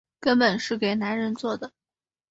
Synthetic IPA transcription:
kə˥npə˨˩nʂɻ̩˥˩ke˨˩ɪna˧˥nɻə˧˥nt͡swɔ˥˩d̪ə˩

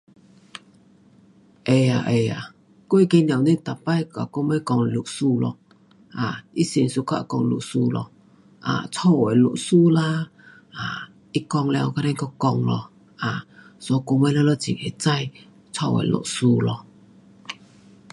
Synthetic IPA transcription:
ʔe˨˩a˨ʔe˨˩a˨ | kwe˧˦ke˧njã˨wni˧˦˨t̪a˨˩pa˧˦jka˨ko˧˦ma˧˦kɔ˧ŋ˧lu˨su˧lɔ˧ | ʔa˨˩i˦si˧˨nsu˧kʰa̰˧ʔkɔ˧ŋ˧lṵ˨ʔsu˧lɔ̰˧ | ʔa̰˨t͡sʰɔ˧wwɛ˨lo̰˨ʔsu˧la˦ | a˨ | i˦kɔ˧ŋlɛ˧wka˧ɾɛ˧˦nkɔ˧kɔ˧ŋlɔ˧ | a˨sɔ˧ko˧˦ma˧˦lɛ˧˦lɔ˧t͡sḭ˨˩e˨˧˩t͡sa˧j | t͡sʰɔ˧˨wɛ̰˨˩lɔ̰˨ʔsu˧lɔ˧

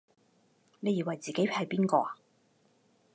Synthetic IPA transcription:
ne˨˧jiː˨wɐ˨jt͡siː˨ke˨˥jpʰɐ˨˧jpiː˥nkɔː˧˨

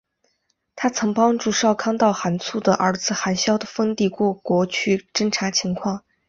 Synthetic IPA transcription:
t̪ʰa˥t͡sʰɤ˧˥ŋpɑ˥ŋʈ͡ʂu˥˧ʂɑ˥˩ʊkʰɑ˥ŋt̪ɑ˥˩ʊxa˧˥nt͡sʰu˥˩d̪ə˩ʔə˞˧˥d͡zɹ̩˧˩xa˧˥nɕjɑ˥ʊd̪ə˨fə˥nt̪i˥˧kwɔ˥˩kwɔ˧˥t͡ɕʰy˥ʈ͡ʂə˥ŋʈ͡ʂʰa˧˥t͡ɕʰi˧˥ŋkʰwɑ˥˩ŋ

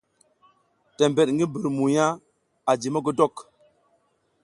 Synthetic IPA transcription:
tɛ˨mbɛ˨ɗŋɡi˦bi˨ɾmu˨ja˦ | a˨d͡ʒi˨mə˦ɡo˦dɔ˦k

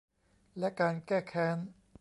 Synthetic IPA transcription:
lɛ˦˥ʔkaː˧nkɛː˥˩kʰɛː˦˥˩n

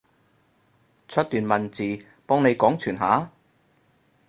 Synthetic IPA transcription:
t͡ʃʰɵ˥t̚t̪yː˨nmɐ˨nt͡siː˨ | pɔː˥ŋne˨˧jkɔː˨˥ŋt͡ʃʰyː˨˩nɦa̰ː˨˥

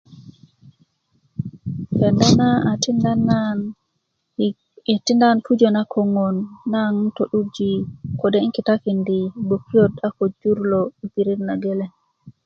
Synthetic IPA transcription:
kɛ˨nda˦natindan˨ | ti˦nda˦npu˦d͡ʒe˨na˦kʰo˨ŋo˨nːa˦ŋto˨ɗu˦d͡ʒi˨ko˨de˦i˦ŋki˨takindi˨bo˨kːi˦jota˦ko˨d͡ʒu˦ɾloi˨pi˨ɾi˦ɾna˨ɡe˦le˨

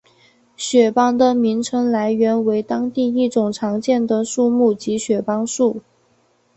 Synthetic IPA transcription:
ɕɥɛ˨˩pɑ˥ŋd̪ə˨mi˧˥ŋʈ͡ʂʰɤ˧˥ŋla˧˥ɪɥɛ˧˥nwe˧˥ɪt̪ɑ˥ŋt̪i˥˧i˥˩ʈ͡ʂʊ˨˩ŋʈ͡ʂʰɑ˧˥ŋt͡ɕjɛ˥˩nd̪ə˩ʂu˥˧mu˥˩t͡ɕi˧˥ɕɥɛ˨˩pɑ˥ŋʂu˥˩

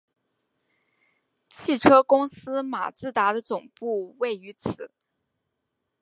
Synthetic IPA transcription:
t͡ɕʰi˥˩ʈ͡ʂʰɤ˥kʊ˥ŋsɹ̩˥ma̰˨˩t͡sɹ̩˥˩t̪a˧˥d̪ə˧t͡sʊ˨˩ŋpu˥˧we˥˩ɪy˧˥t͡sʰɹ̩˨˩˦

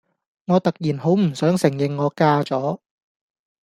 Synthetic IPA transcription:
ŋɔː˨˧t̪ɐ˨k̚jiː˨˩nɦo˨˥wm̩˨˩sœː˨˥ŋsɪ˨˩ŋjɪ˨ŋːɔː˨˧kaː˥t͡sɔː˨˥

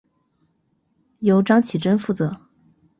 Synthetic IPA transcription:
jo˧˥ʊʈ͡ʂɑ˥ŋt͡ɕʰi˨˩ʈ͡ʂə˥nfu˥˩t͡sɤ˧˥

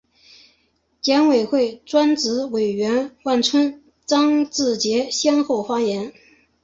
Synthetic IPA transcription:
t͡ɕjɛ˧˥nwe˨˩ɪxwe˥˩ɪʈ͡ʂwa˥nt͡sɹ̩˧˥we˨˩ɪɥɛ˧˥nwa˥˩nʈ͡ʂʰwə˥n | t͡sɑ˥ŋt͡sɹ̩˥˩t͡ɕjɛ˧˥ɕjɛ˥nxo˥˩ʊfa˥jɛ˧˥n

